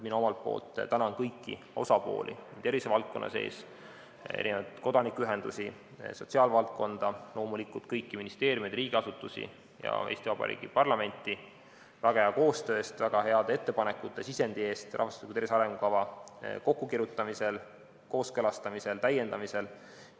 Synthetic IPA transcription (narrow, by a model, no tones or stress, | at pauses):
mino̞mɑlt̪̚po̞̰ːlt̪ːt̪ænɑnkɤjkːḭ | o̞sɑpo̞̰ːlʔḭniːd̪e̞ɾvisevɑlt̪̚ko̞nːʔɑ̰se̞̰ːs | ḛʔinevɑ̰d̪̥ko̞d̪ɑnikːyɦend̪̥usi | so̞t̪ʲsiɑːlvɑlt̪̚ko̞nd̪̥ɑlo̞ːmulikˑult̪̚kɤjkːiminist̪e̞ːɾʲjumed̪riːɡ̥iɑsut̪ːˑusḭ | jɑ̰ejst̪ivɑb̥ɑ̰ɾḭːɡ̥ipɑrlɑme̞nʲt̪ːˑi | væɡ̥ɑeɑko̞ːst̪ø̞ːst̪væɡ̥ɑɦe̞ɑd̪̥e̞t̪ːe̞pɑne̞kːˑut̪ːˑe̞sise̞nd̪̥ie̞ːst̪ʔɑ̰hvɑslikud̪eɾiseɑɾe̞ŋɡukɑvɑko̞kːukiɾut̪ːˑɑmise̞l | ko̞ːskølɑst̪ɑmise̞lt̪æje̞nd̪ɑmise̞l